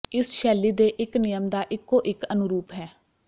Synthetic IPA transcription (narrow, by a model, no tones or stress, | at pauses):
ɪsʃɛːliːd̪eːʔɪknɪjəmd̪aːʔɪkːoːʔɪkənʊɾuːpɦɛː